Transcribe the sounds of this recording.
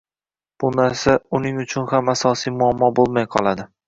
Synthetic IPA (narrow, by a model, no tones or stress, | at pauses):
b̥ʊnaɾsaʊnɪŋʊt͡ʃʰʊnhamasɒsijmʊamːɒbolˠmajqʰɒlˠad̪ɪ